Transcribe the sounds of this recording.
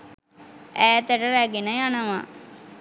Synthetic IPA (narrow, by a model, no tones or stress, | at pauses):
æːt̪əʈəɾæɡenəjanəʋa̰